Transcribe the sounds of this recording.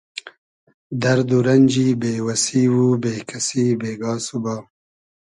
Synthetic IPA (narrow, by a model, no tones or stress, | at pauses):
d̪ɐɾd̪uɾɐnʲd͡ʒibeːwasiwubeːkʰasibeːɡɑːsubɑː